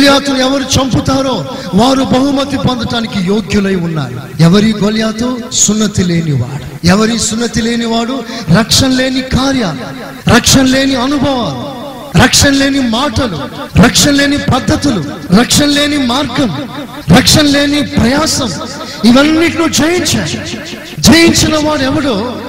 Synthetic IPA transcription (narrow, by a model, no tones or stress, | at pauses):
ljaːt̪uɛʋɐɾut͡ʃɐmput̪aːɾo̞ː | ʋaːɾubɐɦumɐt̪ipɐnd̪ɐʈaːnikijoːɡjulɐjunːa̰ːɾu | ɛʋɐɾiɡoljaːt̪osunːɐt̪ile̞ːniʋa̰ːɽuɛʋɐɾisunːɐt̪ile̞ːniʋaːɽuɾɐkʂɐnle̞ːnikaːɾjaːlu | ɾɐkʂɐnle̞ːniɐnubʱɐʋaːlu | ɾɐkʂɐnle̞ːnimaːʈɐluɾɐkʂɐnle̞ːnipɐd̪ʱːɐt̪ulu | ɾɐkʂɐnle̞ːnimaːɾɡɐm | ɾɐkʂɐnle̞ːnipɾɐjaːsɐm | iʋɐnːiʈluːd͡ʒɐjiɲt͡ʃaːɽu | d͡ʒɐjiɲt͡ʃinɐʋaːɽɛʋɐɽoː